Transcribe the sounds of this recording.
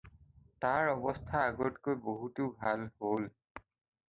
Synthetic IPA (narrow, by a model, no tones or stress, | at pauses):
taɹɔbɔstʰaːɡɔtkojboɦutʊbʱalhol